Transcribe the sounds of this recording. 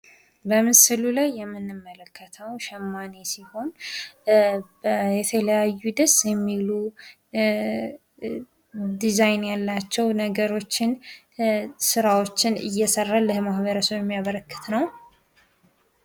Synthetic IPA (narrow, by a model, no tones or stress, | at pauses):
bəmɨsɨlulajːɛmːɨnːɨmːələkːət̪ʰəwʃɛmːanesiho̞n | bəjɛt̪ʰələjajːud̪əsjɛmːilu | d̪izajnjalːat͡ʃːɛwnəɡəɾo̞t͡ʃːɪn | sɨɾawo̞t͡ʃːɪnɨ̰jːɛsərːalːɨhmahβəɾəsowjɛmːijaβəɾəkːɨ̥t̪nəw